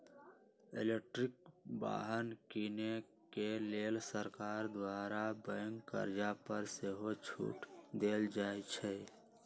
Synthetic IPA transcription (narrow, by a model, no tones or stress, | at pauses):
ḛlek̚ʈɾik̚ba̰ɦənkine | kelelsəɾkaɾd̪waɾabəŋkːə̰ɾd͡ʒapəɾseɦot͡ʃʰṵʈd̪eld͡ʒaet͡ʃʰɛ